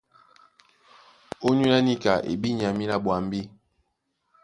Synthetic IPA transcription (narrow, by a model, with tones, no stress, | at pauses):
o˦ɲu˦la˦ni˦ka˨ʔḛ˨bi˦ɲ˨a˨mi˦la˦ɓwa˨m˦bi˦